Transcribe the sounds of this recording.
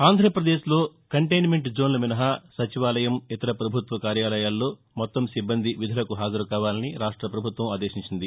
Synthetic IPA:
aːnd̪ʱɾɐpɾɐd̪e̞ːʃlo̞ːkɐɳʈɐjnmeɳʈd͡ʒo̞ːnlɐminɐɦasɐt͡ʃiʋaːlɐjɐmit̪ɐɾɐpɾɐbʱut̪ʋɐkaːɾjaːlɐjaːlːo̞ː | mɔt̪ːɐmsibːɐnd̪ʱiʋid̪ʱɐlɐkuɦaːd͡ʒɐɾukaːʋaːlɐniɾaːʂʈɾɐpɾɐbʱut̪ʋɐmaːd̪eːʃiɲt͡ʃind̪i

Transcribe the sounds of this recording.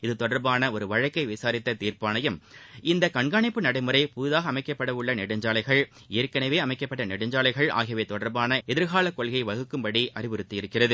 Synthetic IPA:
ɪðɯt̪ɔɽɐɾbaːnɐɔɾɯʋɐɻɐkːɐɪʋɪsaːɾɪt̪ːɐt̪iːrpaːnɐjɯmɪnd̪ɐkɐɳɡaːɳɪpːɯnɐɽɐɪmɯɾɐɪpuːðaːɣɐːmɐɪkːɐpːɐɽɐʋɯɭːɐnɪɽɐɲd͡ʒaːlɐɪɣɐɭ | eːɾkɐnɐʋeːɐmɐɪkːɐpːɐʈːɐnɪɽɐɲd͡ʒaːlɐɪɣɐɭa̰ːɣɐʋeːt̪ɔɽɐɾbaːnɐɛðɪɾɣaːlɐkːɔɭɣɐɪʋɐɣɯkːɯmbɐɽiʔɐɾɪʋɯɾɯt̪ːɯjɪɾɯkːɪrɐðɯ

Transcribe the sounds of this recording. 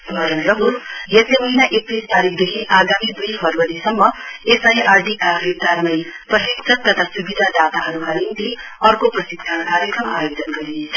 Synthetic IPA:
bʱʌɾʌnɾʌɦuɾjest̪ːemʌɦinaʔek̚t̪ist̪aɾikʰd̪ekʰiʔaɡamid̪ujpʰʌɾʋʌɾisʌmːʌesajʔarɖikakɾekt̪aɾmʌjprʌsiksʰʌk̚t̪ʌt̪ʰasubid̪ʱad̪at̪aɦʌɾukanint̪i | ʌrkoprʌsikd̪ʰʱankaɾjekrʌmajod͡zʌnɡʌɾie

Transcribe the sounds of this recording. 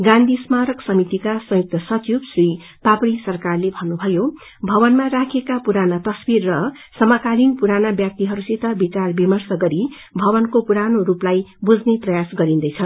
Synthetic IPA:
ɡãnd̪ʱismaɾʌksʌmit̪ikasʌ̃juk̚t̪ʌsʌt͡sjubsri | papɽisʌrkarlebʱʌnːubʱʌjo | bʱʌbʌnmaɾakʰekapuɾanat̪ʌsbirːʌ | sʌmʌkalinpuɾanabjʌk̚t̪iɦʌɾusit̪ʌbit͡sarbimʌrsʌɡʌɾi | bʱʌbʌnkopuɾanoɾuplajbud͡zneprʌjasɡʌɾind̪ʌjt͡sʰʌ

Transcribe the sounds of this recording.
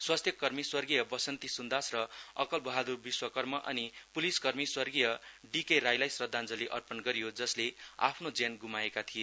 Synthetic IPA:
swast̪ʰjʌkʌrmiswʌrɡijʌbʌsʌnt̪isund̪asrʌʌkʌlbʌɦad̪urbiswʌkʌrmʌʔʌ̰nipuliskʌrmiswʌrɡijʌɖikeɾajlajsrʌd̪ʱːand͡zʌliʔʌrpʌnɡʌɾijod͡zʌslea̰pʰnod͡zenɡumaekat̪ʰije

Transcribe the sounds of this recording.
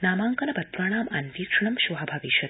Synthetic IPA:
naːmaːŋkɐnɐbɐt̪ɾaɳ̃aːmanʋiːkʂɐɳɐmʃuɦabʱaʋiʃɐ

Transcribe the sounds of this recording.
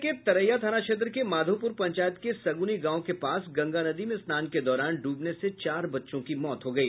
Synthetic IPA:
ket̪ɐɾəjːat̪ʰaːnaʃeːt̪̬ɾəkemaːd̪ʱoːpʊɾpɐ̃ɲt͡ʃaːjət̪kesɐɡuniɡãːõkepaːsɡɐ̃ŋɡanɐd̪imẽsnaːnked̪ɔːɾaːnɖʱuːbneset͡ʃaːɾbɐtːʃõkimɔːt̪ɦoɡɐiː

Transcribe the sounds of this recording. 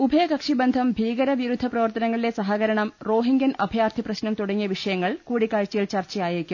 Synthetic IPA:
ubʱɐjɐkɐkʂibend̪ʱɐmbʱiːɣɐɾɐʋiɾud̪ʱːɐprɐʋɐrt̪ɐnɐŋːɐɭile̞sɐɦɐɣɐɾɐɳɐmro̞ːɦiŋɡɐnɐbʱjaːrt̪ʰiprɐɕnɐmt̪uɽɐŋːijɐʋiʂɐjɐŋːɐɭkuːɽikːaːɻt͡ɕːɐjilt͡ɕɐrt͡ɕɐjaːjiɾikʲːumm

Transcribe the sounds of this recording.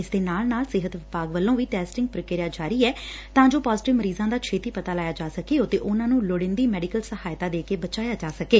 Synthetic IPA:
ɪsd̪eːnaːlnaːlsɪɦət̪ʋɪpaːɡʋəlːõːʋiːʈɛːsʈɪŋɡ̚pɾəkeːɾɪjaːd͡ʒaːɾiːɛː | t̪ãːd͡ʒoːpaːzɪʈɪʋməɾiːzãːd̪aːt͡ʃʰeːt̪iːpət̪aːlaːjaːd͡ʒaːsəkeːɦoːt̪eːʔʊnãːnũːloɽɪ̃nd̪iːmɛːɖɪkəlsəhaːjt̪aːd̪eːkeːbət͡ʃaːjaːd͡ʒaːsəkeː

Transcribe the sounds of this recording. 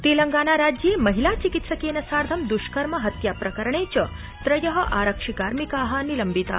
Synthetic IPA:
t̪eːlɐŋɡaːnaɾad͡ʒemɐɦilat͡ʃikit̪səkeːnɐsaːɾd̪ʱɐmd̪uʃkɐɾmɐɦɐt̪japɾɐkəɾəɳet͡ɕɐ | t̪ɾɐjɐɦɐʔaːɾəkʂikaːɾmikaɦanilɐmbit̪a̰

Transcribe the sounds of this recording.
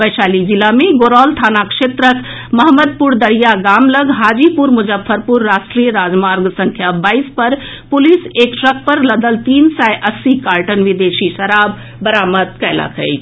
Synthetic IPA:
bəjsalid͡ʒilameɡoɾɔlt̪ʰanakʃet̪ɾək | məɦməd̪̚puɾd̪əɾijaɡamləɡɦad͡ʒipuɾmud͡ʒəpʰːəɾpuɾːaʃʈɾijəɾad͡ʒmaɾɡsəŋkʰjabaispəɾ | pulisekʈɾək̚pəɾləd̪əlt̪insajʔəsːikaɾʈənʋid̪esisəɾab̚ː | əɾamət̪̚kɛla̰kʰə̰jt̪ʰ

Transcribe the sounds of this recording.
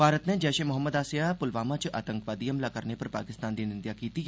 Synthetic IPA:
bʱaːɾət̪ned͡ʒɛːʃemʊɦəmːəd̪aːsjapʊlʋaːmat͡ʃʔa̰ːt̪ə̃ŋkʋaːd̪iɐmlakɐɾnepɐɾpa̰ːkɪst̪aːnd̪inɪ̃nd̪jakiːt̪i

